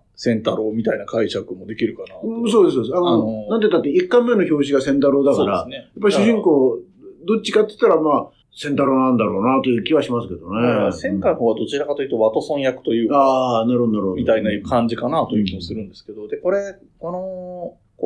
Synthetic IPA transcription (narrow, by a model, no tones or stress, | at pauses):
sẽ̞nt̪aɾo̞ːmʲit̪ainakʰaiɕakɯ̟mod̪e̞kʲiɾɯ̟kanãso̞ːd̪e̞sod̪sanonanet̪ːat̪ːeikːãmːe̞noço̞ːɕiɡasẽ̞nt̪̬aɾo̞ːd̪akaɾanejjapːaiɕɕɯʑĩŋko̞ː | d̪o̞t͡ɕːi̥kat̪ːei̥t̪ːaɾamaː | sẽnt̪aɾoːnãnd̪aɾo̞ːnat̪o̞jɯ̟ːkʲiβaɕimasɨ̥ke̞d̪o̞nesẽ̞ŋkaĩɦoːβad̪o̞t͡ɕiɾakat̪o̞jiɯ̟t̪o̞βat̪osõɰ̃jakɯ̟̥t̪o̞jɯ̟ːaːnaɾɯhod̪naɾɯhodmit̪ainaɯkʰãɲd͡ʑikanaːt̪ojɯ̟kʲimasɨɾɯ̟̃nd̪e̞sɨ̥ke̞d̪o̞d̪e̞ko̞ɾe̞ | ko̞no | k